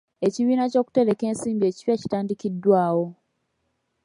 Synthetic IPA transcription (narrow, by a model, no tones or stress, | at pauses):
e̞ciβiːnaco̞ːku̥te̞ɾe̞ke̞ːnsiːmbie̞ci̥βjaci̥taːndikidwaːwo̞